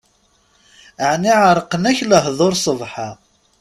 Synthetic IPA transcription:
əʕniʕəɾˤqənæçləɦðˤoɾsˤəvħa

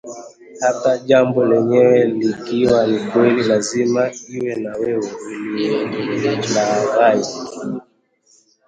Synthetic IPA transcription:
hataʄambɔlɛɲɛwɛlikiwanikwɛlilazimaiwɛnawɛwɛuliɛlaɣai

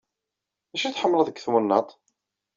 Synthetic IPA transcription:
æʃiθħəmːləðəɡθwənːət̪ˤ

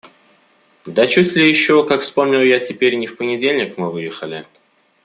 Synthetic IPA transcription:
d̪ət͡ɕutʲlʲɪjɪɕːokakfspo̞mnʲɪlˠjatʲɪpʲeɾʲnʲɪfpənʲɪdʲelʲnʲɪkmɨvɨjɪxəlʲɪ

